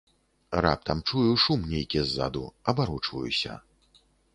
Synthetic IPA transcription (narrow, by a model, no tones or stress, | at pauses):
ra̰p̚t̪ɐmt͡ʂujuʂumnʲejkʲizːa̰d̪ṵɐbaɾut͡ʂvɐ̰jṵsʲɐ̰